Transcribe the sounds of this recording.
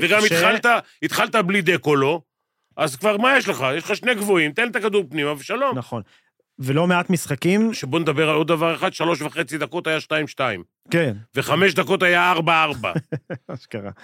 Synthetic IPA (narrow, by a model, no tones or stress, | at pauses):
veɡamit̪χalt̪a | it̪χalt̪ablid̪ekolo̞ | ʔazkvaʁmajeʃleχajeʃlχaʃne̞ɡvoimt̪enlt̪akad̪uʁpnimaveʃalo̞mnaχon | velo̞meat̪misχakimʃebo̞ned̪abeʁalo̞d̪dːavaʁeχad̪ʃalo̞ʃvaχe̞t͡sid̪ako̞t̪ajaʃtaimʃtaḭm | kenve̞χame̞ʃd̪ako̞t̪ajaaʁbaaʁba̰aʃkaʁa̰